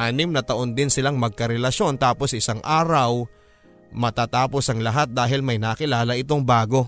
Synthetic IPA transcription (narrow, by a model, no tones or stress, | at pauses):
ʔaːnɪmnɐt̪ɐʔo̞nd̪ɪnsɪlaŋmɐɡ̚kɐɾɛlɐʃo̞nt̪aːpo̞sʔɪsaŋʔaːɾɐw | mɐt̪aːt̪aːpo̞sɐŋlɐɦat̪̚d̪aːɦɪlmɐjnɐkɪlaːlɐʔɪt̪o̞ŋbaːɡo̞